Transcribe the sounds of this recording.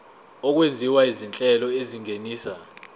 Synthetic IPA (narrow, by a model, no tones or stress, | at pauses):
ɔk̬wend͡zʱiwaizint͡ɬʼɛlɔeziŋeniːsa